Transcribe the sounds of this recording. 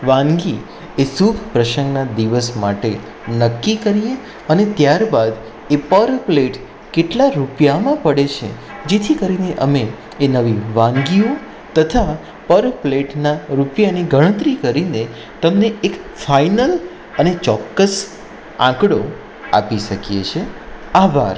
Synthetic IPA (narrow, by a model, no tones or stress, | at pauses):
ʋãŋɡi | esukpɾəʃəŋɡnad̪iʋəsmaʈe | nəkːikəɾije | ənet̪jaɾbad̪ | epəɾpleʈ | keʈlaɾupjamãpəɽet͡ʃʰḛ | d͡ʒet̪ʰikəɾineʔəmeː | nəʋiʋãŋɡio | t̪ət̪ʰa | pəɾpleʈnaɾupjaniɡʱəɽ̃ə̃t̪ɾikəɾine | t̪əmneekfainəl | ənet͡ʃɔkːəs | ã̰kɽo | a̰piʃəkijḛt͡ʃʰeaba̰ɾ